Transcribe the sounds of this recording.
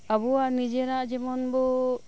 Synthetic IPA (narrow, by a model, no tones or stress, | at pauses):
abɔanid͡ʒɛɾaʔd͡ʒɛmɔnbɔ